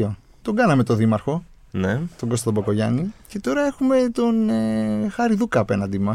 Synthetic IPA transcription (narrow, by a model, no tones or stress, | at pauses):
o | t̪o̞ɡɐnɐme̞t̪oðimɐɾxo̞ | net̪o̞ɡo̞st̪t̪boko̞ʝɐ̰nice̞t̪o̞ɾɐe̞xume̞t̪o̞nexɐɾiðukɐːpe̞nɐnd̪imɐ